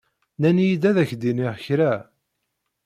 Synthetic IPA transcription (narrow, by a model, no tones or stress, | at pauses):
nænjid̪æðæçd̪inɪʁçɾæ